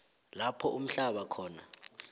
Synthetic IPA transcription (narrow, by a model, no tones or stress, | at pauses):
lapʰɔʔum̩ɬaɓakʰɔːna̰